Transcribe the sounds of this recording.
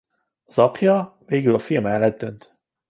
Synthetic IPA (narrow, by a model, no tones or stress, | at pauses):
ɒzɒpʰjɒveːɡylɒfilmɛlːɛd̪̚dø̞nt̪